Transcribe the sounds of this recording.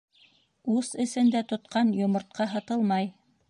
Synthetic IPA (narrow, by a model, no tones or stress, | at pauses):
usɘ̆sɘ̆nd̪æt̪ŏt̪qɑnjŏmŏɾt̪̚qɑɦɑt̪ɤlˠmɑj